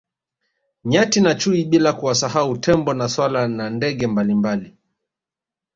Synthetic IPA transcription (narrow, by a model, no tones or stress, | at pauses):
ɲatinat͡ʃuiɓilakuwasaɦautʰɛmbɔnaswalanandɛɠɛmbalimbali